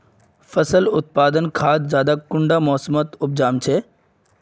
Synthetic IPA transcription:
fɐsəlʊt̪̚paːd̪ənkʰaːt̪zjaːd̪akʊɳɖamɔːsmət̪ʊp̚d͡ʒaːmt͡ʃʰe

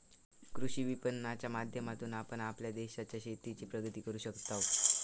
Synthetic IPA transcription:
kɾuɕiːʋipənːat͡ɕjamad̪ʱjəmat̪uːnapəɳapljad̪eɕat͡ɕjaɕet̪it͡ɕiːpɾəɡət̪iːkəɾuːɕəkt̪aʋ

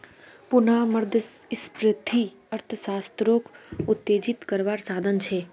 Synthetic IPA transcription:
punaməɾd̪ʱəɪspɾət̪ʰi | əɾt̪ʰəsast̪ɾokʰut̪ːed͡ʒit̪kəɾʋaɾsad̪ʱənt͡ʃʰe

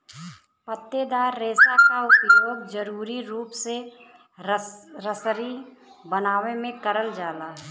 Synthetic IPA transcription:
pət̪ːed̪aːɾːeːsakaʊpjoːɡ̚d͡ʒəɾuːɾiɾuːpse | ɾəsɾibənaːʋemẽkəɾəld͡ʒaːlaːɦɛ

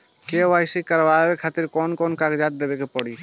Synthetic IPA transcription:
keajsikəɾbabekʰat̪iɾkɔnkɔnkakd͡ʒat̪̚d̪ebekepɔɽi

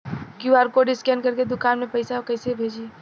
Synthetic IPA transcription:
kjuaːɾkoɖɪskɛ̃nɖkɐɾked̪ʊkaːnmẽpɐɪsaokɐɪsebʱeːd͡ʒie

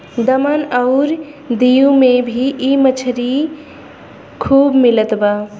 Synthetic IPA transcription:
d̪əmanəʊɾ | d̪ijumebʱiʔimət͡ʃʰəɾi | kʰuːbmilət̪ba

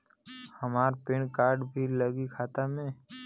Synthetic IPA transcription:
həmaːɾpeːɳkaːɾɖbʱiləɡikʰaːt̪amẽː

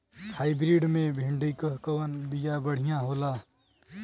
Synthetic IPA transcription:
pʰaibɾiɖmebʱiɳɖikəɦkəwənbijabəɽ̤ijãɦola

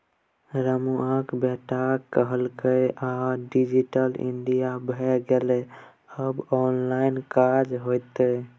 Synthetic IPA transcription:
ɾəmuakbeʈakəɦəlkəjʔaɖid͡ʒiʈəlḭɳɖijabʱɛɡele | əbɔnlaɪnkad͡ʒɦot̪e

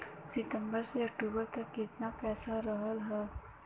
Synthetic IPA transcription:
sɪt̪ə̃mbəɾseɐk̚ʈuːbəɾt̪ɐkːɪt̪napɛːsaɾəɦəlɦɛː

